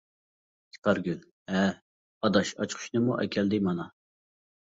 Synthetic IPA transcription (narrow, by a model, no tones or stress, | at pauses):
t̪ʰi̥kʰɑɾɡʲyl | ɛ | ɑd̪ɑʃɑ̰t͡ʃqʰʊ̥ʃnɨmuʔɛ̰kʲʰɛld̪ɪmɑnɑ